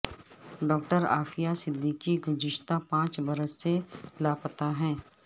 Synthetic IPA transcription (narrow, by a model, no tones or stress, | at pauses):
ɖɔːk̚ʈəɾa̰ːfijasɪd̪ʱːikiɡʊd͡ʒɪʃt̪apãːt͡ʃbɐɾəsːelaːpət̪aɦɛ̃ː